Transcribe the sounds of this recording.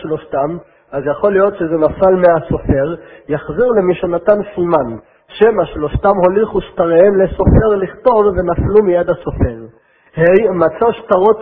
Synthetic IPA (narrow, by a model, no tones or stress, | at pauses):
ʃlo̞ʃtam | ʔazjaχo̞lijo̞tʃezenafalmeaso̞fe̞ʁjaχziʁlemiʃonat̪ansiman | ʃemaʃlo̞ʃtamho̞liχuʃtaʁeenleso̞fe̞ʁliχt̪o̞vve̞naflumijad̪hasofe̞ʁ | hejmat͡saʃt̪aʁo̞t